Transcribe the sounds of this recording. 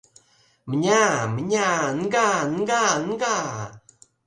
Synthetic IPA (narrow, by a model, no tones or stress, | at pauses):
məɲaməɲanɡanɡanɡa